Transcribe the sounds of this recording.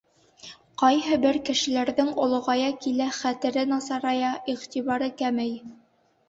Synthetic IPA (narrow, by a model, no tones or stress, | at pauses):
qɑjɦɤbɘɾkɘ̆ʃɘ̆læɾðɘŋŏlˠŏʁɑjɑkilæχæt̪ɘ̆ɾɘnɑsɑɾɑjɑʔiʁt̪iβɑɾɤkæmɘj